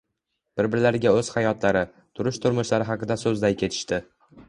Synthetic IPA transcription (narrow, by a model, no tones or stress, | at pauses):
b̥ɪɾbɪɾɪlaɾɪɡʲaɵz̥hajɒt̪ʰlaɾɪ | t̪ʰʊɾʊʃt̪ʰʊɾmʊʃlaɾɪɦɑqɨd̪asɵzd̪ajkʲʰe̞t̪ʰɪ̥ʃt̪ɪ